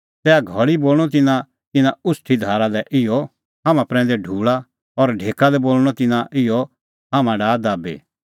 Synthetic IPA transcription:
t̪ɛːaɡʱɔɭiboːl̃ɔt̪̬ɪnã | t̪ɪnãʊsʈʰid̪ʱaːɾalɛʔɪjɔ | ɦãmãpɾɛ̃ːn̆d̪ɛɖʱuːɭa | ɔɾɖʱeːkalɛboːlɽ̃ɔt̪ɪnãʔɪjɔ | ɦãːmãɖaːd̪aːbḛː

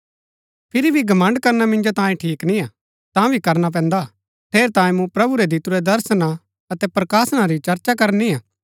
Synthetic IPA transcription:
pʰɪɾibʱiɡɐmɐ̃ɳɖkɐɾnamɪ̃nd͡ʒot̪ãːjĩʈʰiːknĩa | t̪ãbʱikɐɾnap̬ɛ̃ːnd̪a | ʈ̪ʰeːɾt̪ãːẽmũpɾɐbuɾɛd̪it̪uɾɛd̪ɐɾsna | ɐt̪ɛpɾɐkaːsnaɾit͡ʃɐɾt͡ʃak̬ɐɾniaː

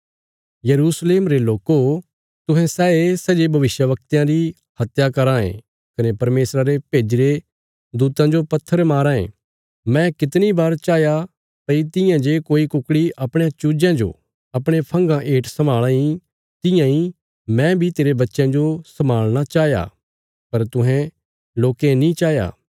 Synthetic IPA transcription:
jɐɾuːsleːmɾeloːko | t̪ʊɦɛ̃sɛːesɛd͡ʒebʱɐʋɪʃjəʋɐk̚t̪jãɾi | hɐt̪jakɐɾãːḛ̃ | kɐnepɐɾmeːsɾaɾepeːd͡ʒiɾe | d̪uːt̪ãd͡ʒopɐt̪ʰːəɾmaːɾãːḛ̃ | mɛ̃kɪt̪nibaːɾt͡ʃaːja | pɐit̪ɪjãd͡ʒekoːikʊkɽiʔɐpɽ̃jãt͡ʃuːd͡ʒãd͡ʒo̰ | ɐpɽ̃epʰɐ̃ŋɡãʔeːʈʰsɐmaːɭãĩ | t̪ɪjãĩ | mɛ̃bʱit̪eːɾebɐtːʃãd͡ʒosɐmaːɭɽ̃at͡ʃaːja̰ | pɐɾt̪ʊ̃ɦɛ̃ | loːkẽnĩt͡ʃaːja̰ː

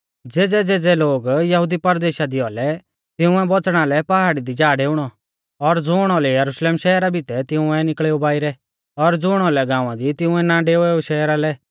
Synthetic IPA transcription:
d͡zeːd͡zɛd͡zeːd͡zɛloːɡjɐɦʊd̪ipɐɾd̪eːʃad̪iɔlɛ | t̪ɪʊ̃ɛbɔt͡sɽ̃alɛpaɦaːɽid̪id͡ʒaːɖeːʊɽ̃ɔ | ɔɾd͡zʊːɽ̃ɔlɛjɐɾuʃleːmʃɛɦɾabʱɪt̪ɛt̪ɪ̃ʊ̃ɛ̃nɪkɭeːobaːɪɾɛ | ɔɾd͡zʊːɽ̃ɔlɛɡãːʊ̃ãd̪it̪ɪʊ̃ɛnaɖeːɛoʃɛːɾalɛ

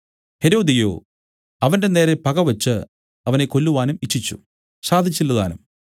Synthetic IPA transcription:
he̞ɾo̞ːd̪ijo̞̰ː | ɐʋɐnde̞ne̞ːɾepɐɣɐʋɐt͡ɕːɨ | ɐʋɐnekːo̞lːuʋaːnumiʈʰːit͡ɕːṵ | ɕaːd̪ʱit͡ɕːilːɐða̰ːnum

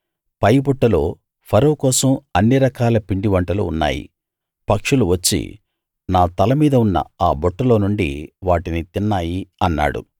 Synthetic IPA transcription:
pɐjbɔʈːɐlo̞ː | pʰɐɾɐwkɔːsɐmɐnːiɾɐkaːlɐpiɳɖiʋɐɳʈɐlṵunːa̰ːjḭ | pɐkʂuluʋɐt͡ʃːḭ | naːt̪ɐlɐmiːd̪ɐunːɐ̰aːbɔʈːɐlo̞ːnuɳɖḭʋaːʈinit̪inːaːjiɐnːa̰ːɽṵ

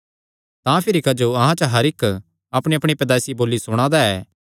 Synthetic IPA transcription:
t̪ãːpʰɪɾikɐd͡ʒoɐɦãt͡ʃɐɦɐɾɪk | ɐpɽ̃iɐpɽ̃ipɾɐd̪aːsiboːlːisʊɽ̃ãd̪aɛː

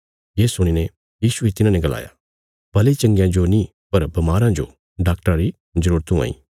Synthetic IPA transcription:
jeːsʊɽ̃ine | jiːsuet̪ɪnãnɛ̃ɡɐla̰ːja̰ | b̥ɐlet͡ʃɐ̃ŋɡjãd͡ʒonĩ | pɐɾbɐmaːɾãd͡ʒo̰ | ɖaːk̚ʈəɾãɾi | zəɾuːɾət̪ũa̰ːḭː

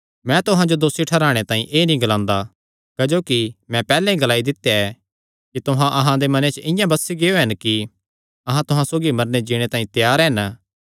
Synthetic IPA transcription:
mɛ̃t̪ʊɦãd͡ʒod̪oːsiʈʰɐɾaːɽ̃et̪ãːĩʔeːnĩɡɐlãːnd̪a | kɐd͡ʒoːkimɛ̃pɛːlɛ̃ĩɡɐlaːid̪ɪt̪ːeɛ | kit̪ʊɦãʔɐɦãd̪emɐnet͡ʃʔɪ̃jãbɐsːiɡeoɦɛnki | ɐɦãt̪ʊɦãsoːɡimɐɾned͡ʒiːɽ̃et̪ãːĩt̪jaːɾɦɛn

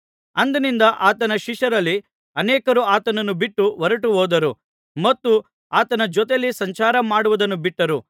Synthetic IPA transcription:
ɐnd̪ɐnind̪ɐʔaːt̪ɐnɐʃiʂɐɾɐlːi | ɐnɛːkɐɾuaːt̪ɐnɐnːubiʈːuʋɐɾɐʈuɦoːd̪ɐɾu | mɐt̪ːu | aːt̪ɐnɐd͡ʒɔt̪̬elːisɐɲt͡ʃaːɾɐmaːɽuʋɐd̪ɐnːubiʈːɐɾu

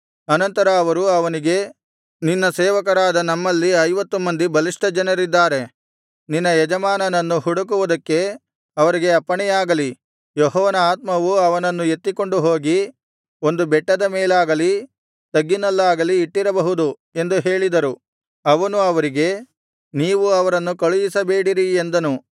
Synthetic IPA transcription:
ɐnɐnt̪ɐɾɐːʋɐɾuɐʋɐniɡe̞ | ninːɐseːʋɐkɐɾaːd̪ɐnɐmːɐlːiɐjʋɐt̪ːumɐnd̪ibɐliʂʈɐd͡ʒɐnɐɾid̪ːaːɾe̞ | ninːɐjɛd͡ʒɐmaːnɐnɐnːuɦuɽuk̬uʋud̪ɐkːe̞ | ɐʋɐɾiɡe̞ɐpːɐɳɛjaːɡɐli | jɔɦɔːʋɐnɐaːt̪̚mɐʋuɐʋɐnɐnːuje̞t̪ːiko̞ɳɖuɦo̞ːɡi | o̞nd̪ubɛʈːɐd̪ɐmeːlaːɡɐli | t̪ɐɡːinɐlːaːɡɐliːʈːiɾɐbɐɦud̪u | e̞nd̪uɦe̞ːɭid̪ɐɾu | ɐʋɐnuɐʋɐɾiɡe̞ | niːʋuɐʋɐɾɐnːukɐɭujisɐbe̞ːɽiɾiend̪ɐnu

